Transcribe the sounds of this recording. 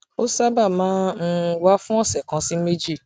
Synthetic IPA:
o˦sa˦ba˦˨mãː˨˦n̩˦wa˦fũ˦ɔ˦˨sɛ˨kã˨˧˦si˦me˦d͡ʒi˦˨

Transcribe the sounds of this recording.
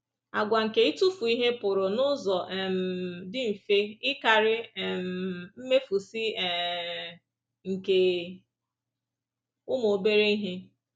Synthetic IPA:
a˨ɡʷa˨ŋ̩˨ke˨i˦tu˦fu˨i˦ɦe˦pʊ˨ɾʊ˨nʊ˦zɔ˨ʔɛ˨m̩˨dɪ˦m̩˨fe˦ɪ˦ka˨ɾɪ˦˨m̩˨m̩˦me˦fu˨si˦ɛ˨ | ŋ̩˨ke˨ | ʊ˦mo˨be˦ɾe˦i˦ɦe˦

